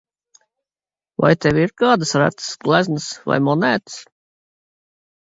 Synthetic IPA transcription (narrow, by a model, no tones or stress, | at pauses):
va̰jt̪ɛviɾkɑːd̪əsɾæ̰t̪sɡlæznəsva̰jmɔnɛt̪s